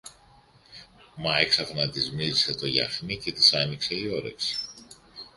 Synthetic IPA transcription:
mɐeksɐfnɐt̪izmizise̞t̪o̞ʝɐ̰xnice̞t̪isɐnikse̞ioɾḛks

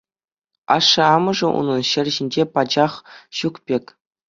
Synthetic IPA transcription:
ɑ̰ʂːɤ̆ɑmɤ̆ʐɤ̆ʔṵnɤ̆nɕɘ̆rʲʑinʲd͡ʑepɑd͡ʑɑχɕukpʲekʲ

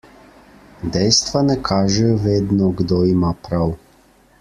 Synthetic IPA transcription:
d̪ɛjst̪ʋanɛkʰaːʒɛjɔʋeːd̪nɔɡd̪oːimaːpɾaw

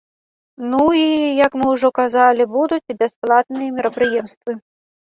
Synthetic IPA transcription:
nuijɐkmɪwʐɔkazɑlʲɪbud̪ʊtʲibʲɛsplˠɑt̪nɨjɛmʲiɾɐpɾɪjɛmst̪ʋɨ

